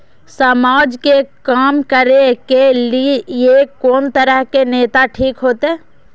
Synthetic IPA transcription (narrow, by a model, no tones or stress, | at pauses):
səmaːd͡ʒkekaːmkəɾekelijekɔːnt̪əɾəɦkeneːt̪aʈʰiːkɦoːt̪eɛ̃ː